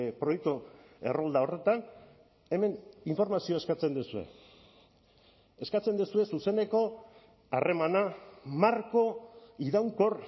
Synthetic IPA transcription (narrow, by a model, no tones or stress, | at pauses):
pɾo̞jek̚t̪ue̞̰rold̪ao̞re̞t̪an | e̞me̞niɱfo̞ɾmasio̞e̞skat͡se̞nd̪usue̞̰ | e̞skat͡se̞nd̪usue̞suse̞ne̞ko̞ | a̰re̞manamaɾko̞iðawŋko̞r